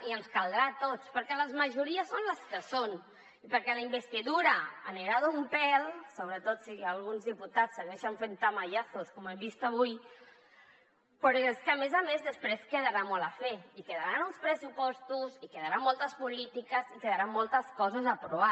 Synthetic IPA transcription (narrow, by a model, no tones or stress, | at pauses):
iənskalˠd̪ɾat̪ot͡spəɾkɛləzməʒuɾiəsːonləskəson | ipəɾkɛləimbəst̪iðuɾəaniɾaðuumpɛlˠsoβɾət̪ot̪sialˠɣunzðiput̪at͡ssːəɣɛʃəɱfent̪amaʒaθoskɔmɛmbist̪aβuj | pɾɔeskəːmezamezðəspɾeskəðəɾamɔlafɛikəðəɾanunspɾəsupɔst̪usikəðəɾamːɔlˠt̪əspulit̪ikəzikəðəɾammːɔlˠt̪əskɔzəzəpɾuβ̞a